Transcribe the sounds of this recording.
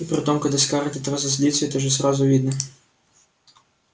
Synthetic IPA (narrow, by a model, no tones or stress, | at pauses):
ipɾɪt̪ɔmkɐd̪ɐskɑɾt̪ʲɪt̪ɾɑzɐsʲlʲit̪sʲjɛt̪ɔʒɛzɾɑzʊʋʲid̪nɐ